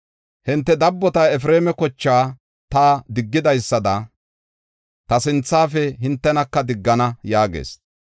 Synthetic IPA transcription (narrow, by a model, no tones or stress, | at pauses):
hɪnt̪ːɛd̪ɐbːɔt̪ɐɛf̬ɾeːmɛkɔt͡ʃːaː | t̪aːd̪ɪɡːɪd̪ɐjsːɐd̪ɐ | t̪ɐsɪnt͡sːaːfɛɦɪnt̪ːɛnɐkːɐd̪ɪɡːɐnɐjaːɡḛːs